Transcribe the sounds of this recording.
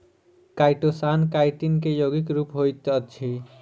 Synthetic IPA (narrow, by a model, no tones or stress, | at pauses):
kaɪʈosankaɪʈinkejoːɡikɾuːpɦojt̪ətːʃʰi